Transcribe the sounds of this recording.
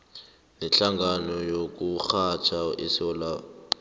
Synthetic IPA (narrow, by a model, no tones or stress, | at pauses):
nɛɬaŋɡʱanɔjok̬uxʰat͡ʃʰaisiɔla